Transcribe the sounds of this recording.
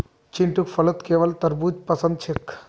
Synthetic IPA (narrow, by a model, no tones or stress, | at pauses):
t͡ʃɪɳʈukfʰɐlət̪keːʋɐlt̪ɐɾbuːd͡ʒpɐsə̃nd̪t͡ʃʰɪk